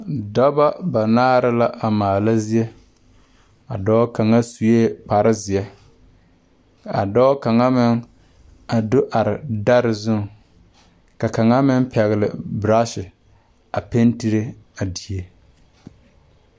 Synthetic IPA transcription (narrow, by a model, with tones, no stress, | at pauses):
da˦ba˦ba˨naː˦ɾɪ˦la˦ʔa˨maː˨la˦zi˦ɛ˦ | a˨dɔ˦ka˨ŋa˦su˨jeː˦k͡pa˨ɾɪ˦zɪ˨ɛ˦ | a̰˨dɔ˦ka˨ŋa˦mɪ˦ŋ | a˨dʊ˦ʔa˨ɾɪ˨da˦ɾɪ˨zʊ˦ŋ˨ | ka˨ka˨ŋa˦mɪ˦n˦pɛ˨ɣɪ˨lɪ˨bɾa˦ʃɪ˨ | a˨pe˦nti˦ɾe˦ | a˨di˨e˦